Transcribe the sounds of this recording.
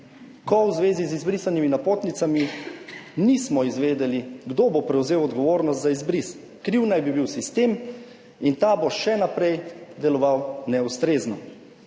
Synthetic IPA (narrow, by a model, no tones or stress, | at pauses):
kɔwzʋeːzizizbɾisaniminapoːt̪nit̪sami | nismɔizʋeːd̪ɛliɡd̪obopɾɛwzeːwɔd̪ɡɔʋoːɾnɔst̪zaizbɾis | kɾiwnajbibiwsist̪eːm | int̪aboʃɛnapɾɛjd̪ɛlɔʋawnɛust̪ɾeːznɔ